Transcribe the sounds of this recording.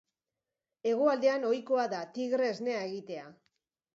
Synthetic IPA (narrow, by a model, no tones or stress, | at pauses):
e̞ɣoald̪e̞ano̞jko̞aðat̪iɣɾe̞ːzne̞aeɣit̪e̞a